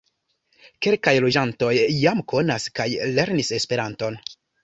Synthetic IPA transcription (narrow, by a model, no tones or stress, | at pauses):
ke̞lkajlo̞d͡ʒanto̞jːamko̞naskajle̞ɾnise̞spe̞ɾanto̞n